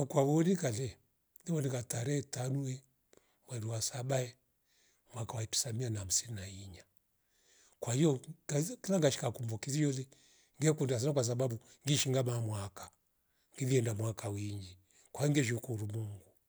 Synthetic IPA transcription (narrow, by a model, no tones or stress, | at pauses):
kwaβɔɔnikalɛ | diβɔnikataɾɛɛtanuɛ | mwɛɾuwasabaɛ | mwakawaipi̥samianaam̩sininaiɲa | kwahijɔkilaŋɡaʃi̥kakumbɔkizijɔlɛ | ŋɡɛkundias̬anakwas̬aɓabu | ŋɡiʃiŋɡamamwakḁ | ŋɡiðiɛndamwakawiŋɡi | kwaiɔŋɡɛʃ̬ukuɾumuŋɡu